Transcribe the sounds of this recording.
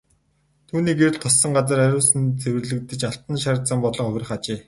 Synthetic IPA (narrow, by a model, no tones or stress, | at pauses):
t̪ʰuːniːker̆ɮt̪ʰɔsːɞ̆ŋɢat͡sə̆ɾæɾʲʊːsɘ̆nt͡sewɘ̆rɮɘ̆k̚t̪ɘ̆t͡ɕaɬt̪ə̆nʃaɾt͡sə̆mpɔɮɞ̆ɴŋχɵwʲrʲɪ̆χat͡ɕeː